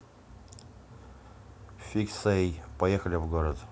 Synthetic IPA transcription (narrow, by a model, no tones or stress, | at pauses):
fʲiksejpɐjexəlʲɪvɡoɾət̪